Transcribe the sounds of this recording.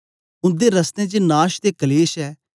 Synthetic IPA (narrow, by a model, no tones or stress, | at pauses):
ʊ̃nd̪eːɾəst̪ẽːt͡ʃenaːʃt̪eːkəleːʃɛː